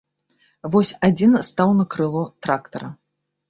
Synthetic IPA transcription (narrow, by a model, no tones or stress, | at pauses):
vɔsʲad͡zʲinst̪awnɐkɾɨlˠut̪ɾakt̪ɐɾɐ